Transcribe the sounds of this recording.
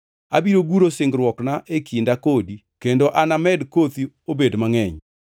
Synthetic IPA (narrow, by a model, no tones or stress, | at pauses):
abiɾoɡuɾosɪŋɡɾwɔknaʔekindakodi | kendoʔanamɛdkot̪i | obedmaŋɛɲ